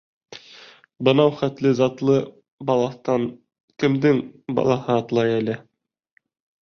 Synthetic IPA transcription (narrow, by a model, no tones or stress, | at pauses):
bɤ̆nɑwχæt̪lɘzɑt̪lˠɤ | bɑlˠɑθt̪ɑn | kɘ̆md̪ɘŋbɑ̰lˠɑhɤɑt̪lˠɑjælɘ